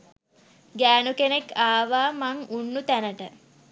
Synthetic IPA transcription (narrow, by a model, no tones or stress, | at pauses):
ɡæːnukenekaːʋaːmaŋunːut̪ænəʈə